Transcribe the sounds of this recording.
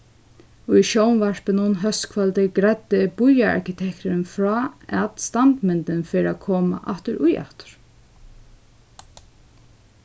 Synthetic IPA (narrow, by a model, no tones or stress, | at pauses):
ʊjʃowmvaɹ̥pənʊnɦœst̪kʰvœlt̪ɪɡɾad̪ɪbʊjaa̰ɹkɪt̪ʰɛkt̪ʊɾɪnfɾɔːɛt̪st̪ant̪mɪnt̪ɪnfɪːɾakʰoːma̰ʔa̰ht̪ʏɾʊjʔa̰ht̪ʏ̥ɹ̥